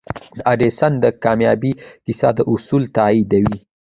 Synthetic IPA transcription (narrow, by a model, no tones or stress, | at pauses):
d̪əʔaɖesand̪əkɑmjɑbikisɑ̰d̪əʔʊsult̪ɑid̪awi